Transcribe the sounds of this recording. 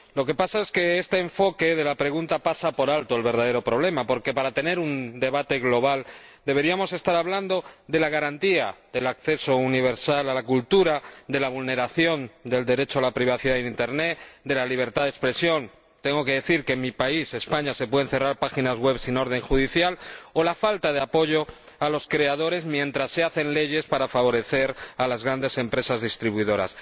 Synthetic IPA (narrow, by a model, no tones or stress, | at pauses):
lo̞ke̞pasae̞ske̞e̞st̪e̞ːɱfo̞ke̞ðe̞lapɾe̞ɣ̞unt̪apasapo̞ɾalt̪oelβe̞ɾð̞að̞e̞ɾo̞pɾo̞β̞le̞mapo̞ɾke̞paɾat̪e̞ne̞ɾund̪e̞βat̪e̞ɣlo̞β̞al | d̪e̞β̞e̞ɾiamo̞se̞st̪aɾaβland̪o̞ðe̞laɣ̞aɾant̪iaðe̞lakθe̞so̞uniβ̞e̞ɾsalalakult̪uɾad̪e̞laβulne̞ɾaθjo̞nd̪e̞ld̪e̞ɾe̞t͡ʃoalapɾiβ̞aθiðaðenint̪eɾne̞t̪d̪e̞laliβ̞e̞ɾt̪aðekspɾe̞sjo̞n | t̪eŋɡo̞ke̞ðe̞θiɾkemipaise̞spaɲase̞pwe̞ðenθe̞raɾpaxinazɣwe̞βsino̞ɾð̞ẽ̞ŋxuð̞iθjalo̞lafalt̪að̞e̞apo̞ʝo̞ | alo̞skɾe̞að̞o̞ɾe̞zmjẽ̞nt̪ɾasːe̞aθe̞nle̞ʝe̞spaɾafaβ̞o̞ɾe̞θe̞ɾalazɣɾand̪e̞se̞mpɾe̞sazðist̪ɾiβuiðo̞ɾa̰s